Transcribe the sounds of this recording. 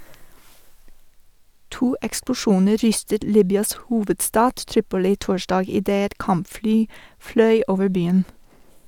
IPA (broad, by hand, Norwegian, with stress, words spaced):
ˈtuː ɛksplʊˈʃuːnə ˈɾʏstət ˈliːbʏɑs ˈhuːʋədˌstɑːd ˈtɾiːpʊlɪ ˈtoːʃdɑːɡ ɪˈdeː ˈɛt ˈkɑmpˌflyː ˈflœʏ ˈoːʋəɾ ˈbyːən